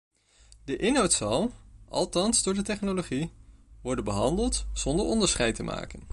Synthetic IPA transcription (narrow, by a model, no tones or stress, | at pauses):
dəʔɪnɦɑwtsɑlˠʔɑ̰lˠtɑnzdʊːɹdətɛχnoloχiʋɔɹdənbəɦɑndəlˠtz̥ɔndəɹɔndəɹsχɛjtəma̰ːkən